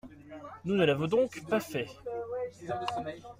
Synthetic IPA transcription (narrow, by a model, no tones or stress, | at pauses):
nunəlavɔ̃d̪ɔ̃kpafɛ